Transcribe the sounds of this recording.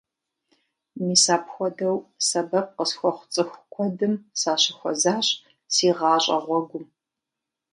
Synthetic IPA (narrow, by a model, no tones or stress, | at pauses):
miːsaːpxʷɔdɐwsɐbɐp̚qəsxʷɔχʷʊ̥t͡sʼɨxʷkʷʰɔdɨmsaːɕɪxʷɔzaːɕʼ | siːʁɑːɕʼɐ̰ʁʷɔɡʷʊm